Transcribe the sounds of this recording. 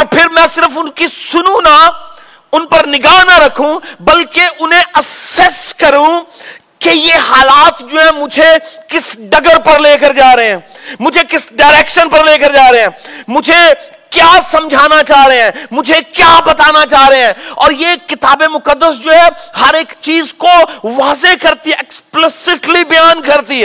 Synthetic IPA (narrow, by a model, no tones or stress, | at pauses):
ɔːɾpʰɪɾmɛ̃sɪɾəfʊnkisʊnũna | ʊnpɐɾnɪɡaːɦnaɾɐkʰũbɐlkeʔʊnɦẽʔɐsɛskɐɾũ | kejeɦaːlaːt̪d͡ʒoːɦɛ̃mʊd͡ʒʱekɪsɖɐɡəɾpɐɾleːkəɾd͡ʒaːɾɐɦeɦɛ̃ː | mʊd͡ʒʱekɪsɖaːɾeːkʃənpɐɾleːkəɾd͡ʒaːɾɐɦeɦɛ̃ːmʊd͡ʒʱe | kjaːsɐ̃md͡ʒʱaːnat͡ʃaːɦɾɐeɦɛ̃ːmʊd͡ʒʱekjaːbɐt̪aːnat͡ʃaːɾɐɦeɦɛ̃ːɔːɾjekɪt̪aːbemʊkəd̪ːəsd͡ʒoːɦɛɦɐɾeːkt͡ʃiːzkoʋaːzekɐɾt̪iɛɛksplɪsɪʈlibɐjaːnkɐɾt̪iɦɛ